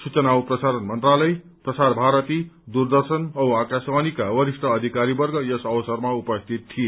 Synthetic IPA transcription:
sut͡sʌnawprʌsaɾʌnmʌnt̪ralʌj | prʌsarbʱaɾʌt̪id̪urd̪ʌrsʌnʌwakasbanikawʌɾisʈʰʌːd̪ʱikaɾibʌrɡʌjʌsʌwʌsʌrmaupʌst̪ʰit̪t̪ʰːije

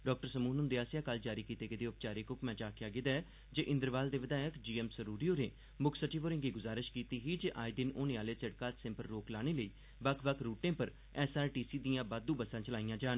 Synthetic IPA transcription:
ɖɔːk̚ʈəɾsəmuːnʊnd̪eːaːsjãːkəld͡ʒaːɾiːkiːt̪eːkəd̪eːʊp̚t͡ʃaːɾeːkʊpmɛ̃ːt͡ʃaːkjaːɡɪd̪aː | d͡ʒeːʔɪ̃nd̪əɾʋaːld̪eːʋəd̪aːjəkd͡ʒiːɛːmsəɾuːɖioːneː | mʊkʰsəʈiːʋoːɾɪ̃ŋɡiːɡʊzaːɾɪʃkiːt̪iːɦiːd͡ʒeʔaːid̪ɪnoːnẽːaːleːt͡ʃəɽkaːt̪sɛ̃mpəɾːoːklaːɽ̃eːləiː | bəkʰbəkʰɾuːʈẽːpəɾ | ɛːsaːɾʈiːsiːd̪ijãːbaːd̪uːbəsãːt͡ʃəlaːijãːd͡ʒaːn

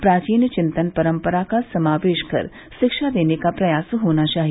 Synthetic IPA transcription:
pɾaːt͡ʃiːnjət͡ʃɪ̃nt̪ənpɐɾəmpəɾakasɐmaːʋeːʃkɐ̰ɾ | ʃɪkʃad̪eːnekapɾɐjaːsɦoːnat͡ʃaːɦi

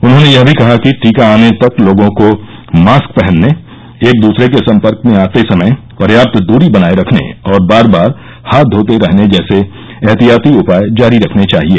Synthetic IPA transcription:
ʊnɦõnejɐɦbʱikɐɦakiʈʰiːkaaːnet̪ɐkloːɡõko | maːsk̚pɛɦə̃nːe | eːk̚d̪uːsɾek̬esɐ̃mpəɾkmẽaːt̪esɐməj | pɐɾjaːp̚t̪d̪uːɾibɐnaːeɾɐkʰnḛɔːɾbaːɾbaːɾ | haːt̪̚d̪ʱoːt̪eɾɛɦned͡ʒɛːse | ɛɦt̪ijaːt̪iʊpaːjd͡ʒaːɾiɾɐkʰnet͡ʃaːɦieː

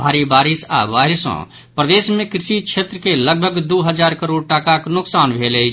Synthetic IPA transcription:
bʱaɾibaɾisa̰ʋajɾsɔ̰̃ | pɾəd̪esmẽkɾɪʃikt͡ʃʰet̪ɾəkeləɡ̚bʱəɡd̪uɦəd͡ʒaɾkəɾoɽʈakaknʊksanbʱelɛjt͡ʃʰ

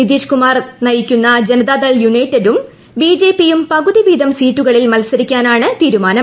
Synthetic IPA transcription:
nid̪iːʂkumaːrnɐjikʲːunːɐd͡ʑenɐd̪aːd̪ɐɭjunɐjtːɐdum | biːd͡ʑe̞ːpːijumpɐɣuðiʋiːd̪ɐmsiːtːuɣɐɭilmɐlsɐɾikʲːaːnaːɳɨt̪iːɾumaːnɐm

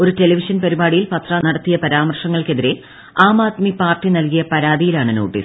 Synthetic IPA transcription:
o̞ɾute̞lɐʋiʂɐnpɐɾibaːɽijilpɐt̪rɐnɐɽɐt̪ːijɐpɐɾaːmɐrʂɐŋːɐɭke̞ðiɾe̞ | aːmaːt̪mipaːrʈːinɐlkijɐpɐɾaːd̪ʱijilaːɳɨnoːʈːḭːs

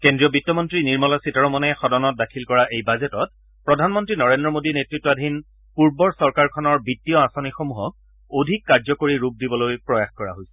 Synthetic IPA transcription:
kendɹiɔbitːɔmɔntɹiniɹmɔlasitɔɹɔmɔnɛxɔdɔnɔt̚dakʰilkɔɹaʔejbazɛtɔt̚ | pɹɔdʱanmɔntɹinɔɹendɹɔmodinetɹitːɔadʱin | puɹbɔɹsɔɹkaɹkʰɔnɔɹbitːijɔasonixomuɦɔk̚ | odʱikːaɹzɔkoɹiɹup̚dibɔlojpɹɔjaxkɔɹa̰ɦojsɛ̥

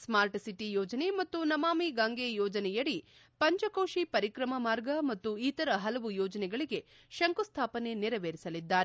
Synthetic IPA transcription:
smaːɾʈsiʈijɔːd͡ʒɐne̞mɐt̪ːunɐmaːmiɡaːŋɡejɔːd͡ʒɐnɛjɐɽipɐɲt͡ʃɐkoːʃipɐɾikɾɐmɐmaːɾɡɐmɐt̪ːuit̪ɐɾɐɦɐlɐʋujɔːd͡ʒɐnɛɡɐɭiɡe̞ | ʃɐŋkust̪ʰaːpɐne̞niɾɐʋeːɾisɐlid̪ːaːɾ

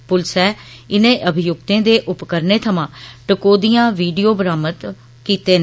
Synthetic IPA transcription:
pʊlsɛː | ɪnẽːʔəbʱɪjʊkt̪ẽːd̪eːʔʊpkəɾneːt̪ʰəmãːʈəkoːd̪ijãːʋiːɖijoːbəɾaːməd̪ | kiːt̪eːnː

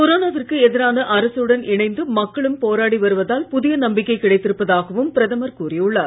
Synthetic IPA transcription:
kɔɾoːnaːʋɪrkɯɛðɪɾaːnɐʔɐɾɐsɯɯɽɐnʔɪɳɐɪnd̪ɯmɐkːɐɭɯmpoːɾaːɽiʋɐɾɯʋɐðaːlpʊðɪjɐnɐmbɪkːɐɪkːɪɽɐɪt̪ːɪɾɯpːɐðaːɣɐʋɯmpɪɾɐðɐmɐɾkuːrɪɯɭːaːɾ

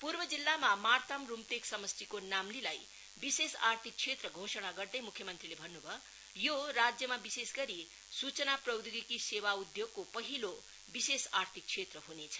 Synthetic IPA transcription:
purbʌd͡zilːamamart̪amrumt̪eksʌmʌst̪ikonamlilaj | bisesart̪ʰik̚t͡sʰet̪rʌɡʱosʌñaɡʌrd̪ʌjmukʰjʌmʌnt̪rilebʱʌnːubʱʌ | joɾad͡zjʌmabisesɡʌɾi | sut͡sʌnaprʌwd̪uɡikisewaud̪joɡ̚kopʌɦilo | bisesart̪ʰik̚t͡sʰet̪rʌɦunet͡sʰʌ̥

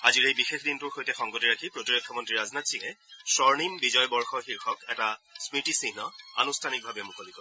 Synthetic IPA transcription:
aziɹejbixexʰdintʊɹxojtɛxɔŋɡotiɹakʰipɹotiɹokʰːɔmɔntɹiɹaznatsikɛsɔɹnimbizɔjbɔɹxɔxiɹxɔkɛtasmitisiɦnɔa̰nustʰanik̚bʱabɛmukolikɔ

